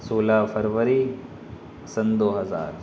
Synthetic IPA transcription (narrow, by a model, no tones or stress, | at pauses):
soːlaːfɐɾʋəɾi | sɐnd̪oːɦɐza̰ːɾ